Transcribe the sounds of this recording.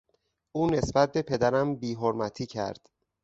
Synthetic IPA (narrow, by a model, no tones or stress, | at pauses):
ʔuːne̞sbæt̪̚be̞pʰe̞d̪æɾæmbiːɦoɾmæt̪ʰiːcʰæ̰ɾd̪̥